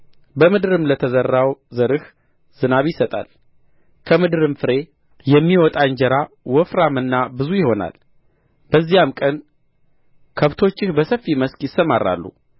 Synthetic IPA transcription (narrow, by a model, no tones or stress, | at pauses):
bəmɨd̪ɨɾɨmlət̪ʰəzərːawzəɾɨh | z̥ɨnaβjɪsət̪ʼa̰l | kʰəmɨd̪ɨɾɨmfɨɾe̞ | jɛmːiwɔt̪ʼaɲd͡ʒəɾa | wɔfɾamɨnːabɨzujɪho̞na̰l | bəzːijamkʼən | kʰəβt̪ʰo̞t͡ʃːɪhbəsəfːiməskjɪsəmarːa̰lːṵ